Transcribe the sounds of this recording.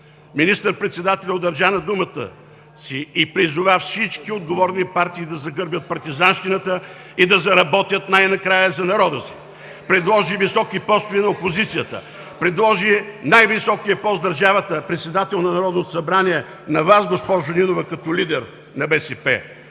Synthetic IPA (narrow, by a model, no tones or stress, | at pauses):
minist̪əɾpɾɛt̪sɛd̪at̪ɛlʲɛod̪ɐɾʒanɐd̪umət̪ə̰ | siːpɾizʊvafsit͡ʃkiod̪̚ɡovɔɾnipaɾt̪iːd̪ɐzɐɡɤɾbjət̪̚pɐɾt̪izanʃt̪inət̪ə | id̪ɐzɐɾɐbɔt̪ʲjət̪najnɐkɾajəzɐnɐɾɔd̪əsi̥ | pɾɛd̪lˠɔʒivisɔkipɔst̪ʊvinɐopozit̪sijət̪ə̰ | pɾɛd̪lˠɔʒinajvisɔkijəpɔst̪d̪ɐɾʒavət̪əpɾɛt̪sɛd̪at̪ɛlˠnɐnɐɾɔd̪not̪o̥sɐbɾaniɛ | nɐvasɡospɔʒʊninovəkɐt̪ɔlid̪ɛɾ | nɐbɛsɛpɛ̰